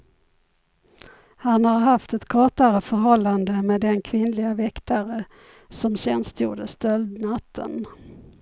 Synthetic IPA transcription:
hanhaɾɦaft̪ɛt̪kʰɑːʈaɾəfœɾɦɔlːand̪əmeːd̪ɛnkʰvɪnlɪɡavɛkt̪aɾə | sɔmɕɛnst̪ʰjṵːɖəsd̪œld̪nat̪ʰːə̰n

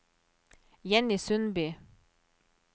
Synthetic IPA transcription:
jɛnɪsʉnbyː

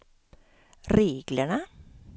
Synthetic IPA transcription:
ɾeːɡləɳə

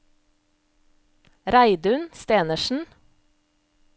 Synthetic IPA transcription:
ɾæɪd̪ʉnst̪eːnəʃn̩

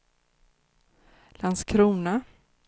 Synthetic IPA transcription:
lanskʰɾuːna

